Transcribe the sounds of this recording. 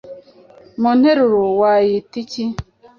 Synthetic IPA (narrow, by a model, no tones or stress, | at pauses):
mun̥heɾuɾowajitici